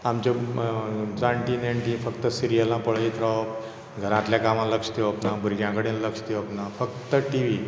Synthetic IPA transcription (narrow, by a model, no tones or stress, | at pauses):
amt͡ɕa | t͡saɳʈineɳʈĩfəkt̪əsiɾijəlãpəɭəit̪ɾaw | ɡʱəɾãt̪ljakamãləkst̪eapnabʱuɾɡjãkəɽẽnləkst̪eapnafəkt̪əʈiʋi